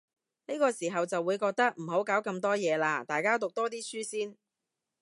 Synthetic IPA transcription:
ni˥kɔː˧siː˨˩ɦɐ˨wt͡sɐ˨wːuː˨˧jkɔː˧k̚t̪ɐ˥k̚m̩˨˩ɦo˨˥wkaː˨˥wkɐ˧mt̪ɔː˥jɛː˨˧laː˧t̪aː˨˩jkaː˥t̪ʊ˨k̚t̪ɔː˥t̪̬iː˥syː˥siː˥n

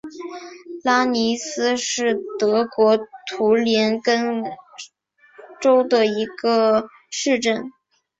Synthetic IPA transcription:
la˥ni˧˥sɹ̩˥ʂɻ̩˥˩t̪ɤ˧˥kwɔ˧˥t̪ʰu˧˥ljɛ˧˥nkə˥n | ʈ͡ʂo˥ʊd̪ə˨i˧˥ɡə˧ | ʂɻ̩˥˧ʈ͡ʂə˥˩n

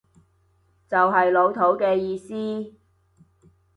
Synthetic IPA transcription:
t͡sɐ˨wɦɐ˨jlo˨˧wt̪ʰo˨˥wkɛː˧jiː˧siː˥

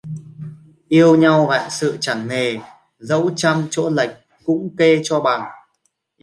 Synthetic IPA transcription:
ʔi˧əwɲa˧wɣa̰ː˧˨jsɨ̰˧˨t͡ɕa˧˩ŋne˨˩ | zə̰˧˥wt͡ɕa˧mt͡ɕo̰˧˥lə˨˩jk̟̚ | kʊ̰˧˥ŋ͡mke˧t͡ɕɔ˧ɓa˨˩ŋ

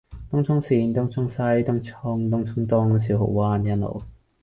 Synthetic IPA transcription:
t̪ʊ˥ŋt͡sʰʊ˥ŋsiː˧˩nt̪ʊ˥ŋt͡sʰʊ˥ŋsɐ˥jt̪ʊ˥ŋt͡sʰɔ˥ŋt̪ʊ˥ŋt͡sʰʊ˥ŋt̪ɔ˥ŋsiː˨˥wɦo̰˨˥wwaː˧˥njɐ˥nlo̰˨˩w

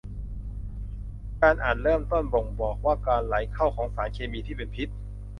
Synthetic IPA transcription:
kaː˧nʔaː˨˩t̪̚ɾɤː˥˩mt̪o˥˩nbo˨˩ŋbɔː˨˩k̚waː˥˩kaː˧nla˩˦jkʰa˥˩wkʰɔː˩˦ŋsaː˩˦nkʰeː˧miː˧t̪ʰiː˥˩pe˧npʰi˦˥t̪̚

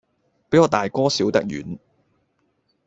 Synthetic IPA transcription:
pe˨˥jɔː˨˧t̪aː˨jkɔː˥siː˨˥wt̪ɐ̰˥k̚jy̰ː˨˥n

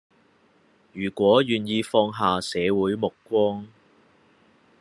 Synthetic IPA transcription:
jyː˨˩kʷɔː˨˥jyː˨njiː˧fɔː˧ŋɦaː˨sɛː˨˧wuː˨˥jmʊ˨kʷwɔː˥ŋ

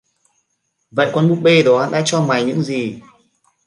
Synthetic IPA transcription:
və̰˧˨jkɔ˧nmu˦˥t̚ɓe˧ɗɔ˨˦ha˧nɗa̰ː˧˥t͡ɕɔ˧maː˨˩jɲɨ̰˧˥ŋzi˨˩

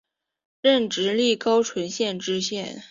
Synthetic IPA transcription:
ɻə˥˩nʈ͡ʂɻ̩˧˥li˥˩kɑ˥ʊʈ͡ʂʰwə˧˥nɕjɛ˥˩nʈ͡ʂɻ̩˥ɕjɛ˥˩n

